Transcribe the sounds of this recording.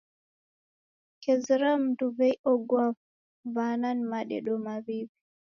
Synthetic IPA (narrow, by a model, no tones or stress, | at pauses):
kɛzɾamduvɛjʔɔɡwav | vananmaɗɛ̰ɗɔmavivi